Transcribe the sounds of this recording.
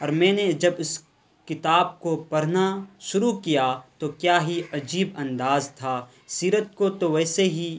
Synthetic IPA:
ɔːɾmɛ̃ːned͡ʒɐbɪs | kɪt̪aːb̚kopɐɾnaʃʊɾukijat̪okjaːɦiɐd͡ʒiːbɐ̃nd̪aːzt̪ʰaː | siːɾət̪̚kot̪oʋɛːseɦi

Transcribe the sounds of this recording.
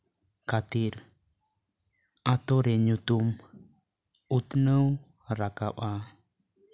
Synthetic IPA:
kat̪iɾ | at̪oɾɛɲut̪um | ut̪nəw | ɾakapa

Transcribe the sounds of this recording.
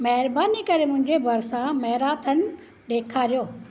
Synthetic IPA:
mɐɦɪɾbaːnikɐɾemʊ̃ɦɪ̃ɲd͡ʑebɐɾsãmɐɦɪɾaːt̪ʰən̆ | ɗeːkʰaːɾijoː

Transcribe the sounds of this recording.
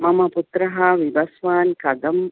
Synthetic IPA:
mɐmɐput̪ɾɐɦaːʋibɐsʋaːnkɐd̪ɐm

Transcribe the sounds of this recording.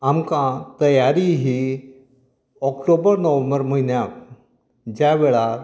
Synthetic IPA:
amkãt̪əjaɾiɦi | ɔkʈobəɾnəʋə̃mbəɾm̤əɦinjak̚ | d͡ʑjaʋeɭa

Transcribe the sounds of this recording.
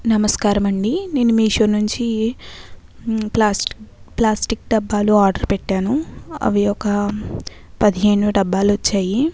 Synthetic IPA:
nɐmɐskaːɾɐmɐɳɖine̞ːnumiːʃoːnuɲt͡ʃi | plaːs | plaːsʈik̚ɖɐbːaːluaːɾɖɐɾpɛʈːaːnuɐ̰ʋiɔkɐ | pɐd̪iɦeːnuɖɐbːaːluʋɐt͡ʃːaːji

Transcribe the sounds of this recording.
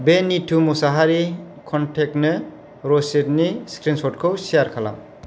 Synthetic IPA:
benitʰumusaɦaɾi | kʰɔntʰek̚nɯ | ɾɔset̚niskɾinsɔtkʰɯwsijaɾkʰala̰m

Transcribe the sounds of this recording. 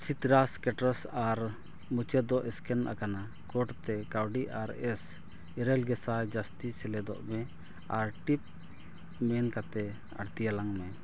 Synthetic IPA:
sit̪ɾaskɛʈɾɔsaɾ | mut͡ʃɛd̪ɔʔɛskɛnʔa̰kana | kɔʈt̪ɛkawɖiaɾɛs | iɾɛlɡɛsad͡ʒast̪isɛlɛd̪ɔ̰ʔmɛ | aɾʈip̚ | mɛnkat̪ɛ | a̰ɾt̪ijalaŋmɛ

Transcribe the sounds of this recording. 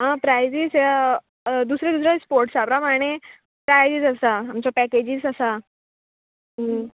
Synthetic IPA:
ɦãpɾajzise | d̪usɾed̪usɾespoɾʈsapɾəmaɽ̃e | pɾajd͡zisəsaːmt͡ɕɔpɛked͡ʑisəsa | ɦə

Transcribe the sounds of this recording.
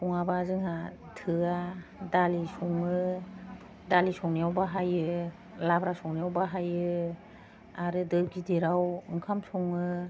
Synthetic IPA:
pɔŋabazɯŋɦa | tʰɯadalisɔŋɯ | dalisɔŋnijawbaɦajɯ | labɾasɔŋnijawbaɦajɯ | aɾɯdɯɡideɾawɯŋkʰamsɔŋɯ

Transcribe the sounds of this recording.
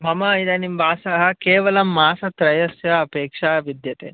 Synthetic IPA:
mɐmɐid̪ɐnimbʱaːsɐɦɐkeːʋɐlɐmːaːsɐt̪ɾɐjɐsjɐːpeːkʂaːʋid̪jɐt̪ḛ

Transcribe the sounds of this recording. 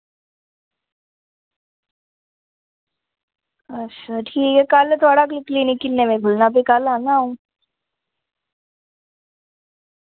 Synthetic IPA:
ɐsaʈʰiːkekaːlet̪ʰoːɽaklɪklinikɪlnemẽbʱʊlnapekaːlaːnaɦũː

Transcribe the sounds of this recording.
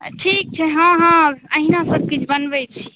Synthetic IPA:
ʈʰik̚t͡ʃʰɛɦãɦãəɦinasəb̚ʱkit͡ʃʰbənbɛt͡ʃʰi

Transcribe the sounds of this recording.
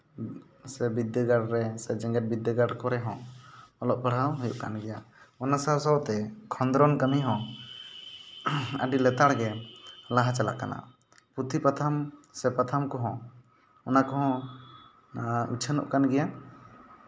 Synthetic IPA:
sɛbid̪ːəɡaɽɾɛsɛd͡ʒɛŋɡɛt̚bid̪əɡaɖkɔɾɛɦɔ̃ɔlɔʔ̚pəɽ̤ɦawɦujṵʔka̰nɡɛjaɔnasasɔwt̪ɛkʰɔnd̪ɾɔnkəmiɦɔ̃ | ə̰ɖilɛt̪aɽɡɛlaɦat͡ʃala̰kana̰ | put̪ʰipat̪ʰamsɛpat̪ʰamkɔɦɔ̃ | ɔnakɔɦɔ̃ | ut͡ʃʰənɔ̰ʔkanɡɛja

